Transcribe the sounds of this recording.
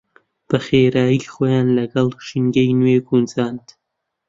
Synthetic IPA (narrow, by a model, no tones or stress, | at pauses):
b̥ɐχeɾaːjiːχoːjaːnlɐɡɐlˠkʃinɡɐjnweːɡunzaːnt̪